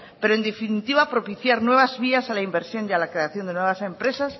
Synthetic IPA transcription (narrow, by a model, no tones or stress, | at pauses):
peɾoend̪efinit̪iβapɾo̞piθjaɾnwe̞β̞azβiasalaimbe̞ɾsjo̞nʝalakɾe̞aθjo̞nd̪enweβ̞ase̞mpɾe̞sas